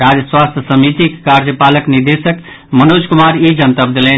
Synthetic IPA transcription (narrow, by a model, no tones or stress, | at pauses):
ɾad͡ʒəswast̪ʰjəsəmit̪ikkːaɾd͡ʒəpaləkniɾd̪esək | mənod͡ʒkumaɾid͡ʒənt̪əbd̪elɛn